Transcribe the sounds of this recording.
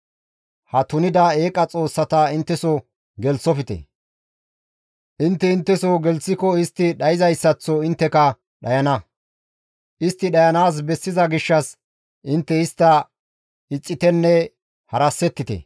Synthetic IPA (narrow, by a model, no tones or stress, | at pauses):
hɐt̪ʊnɪd̪ɐeːkʼɐt͡sʼo̞ːsːɐt̪ɐɪnt̪ːɛsɔ | ɡɛlt͡sːɔfɪt̪ɛ̰ | ʔɪnt̪ːɛɪnt̪ːɛsɔɡɛlt͡sːɪkɔɪst̪ːɪɗɐjɪzɐjsːɐt͡sːɔɪnt̪ːɛkɐ | ɗɐjɐnɐ | ʔɪst̪ːɪɗɐjɐnaːs̬bɛsːɪzɐɡɪʃːɐs | ʔɪnt̪ːɛɪst̪ːɐ | ɪt͡sʼːɪt̪ɛnːɛ | hɐɾɐsːɛt̪ːɪt̪ɛ̰